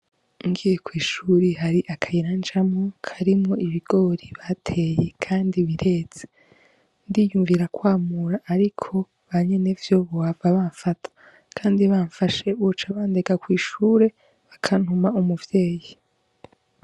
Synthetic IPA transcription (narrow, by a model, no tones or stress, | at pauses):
uŋɡiːjekwiːʃuɾiɦaɾiʔakʰajiɾand͡ʒamokʰaɾimŋoʔiβiɡ̥o̞ɾiβatʰe̞je̞kʰaːndiβiɾe̞ːt͡se | ndijuːɱviɾakwaːmuɾaʔːɾikʰo̞ | βaɲe̞nevjo̞βowavaβaːɱfatʰḁ | kʰaːndiβaːɱfaʃe̞βut͡ʃaβaːnde̞ɡakwiːʃuːɾe̞ | βakʰan̥humaumuvje̞ːji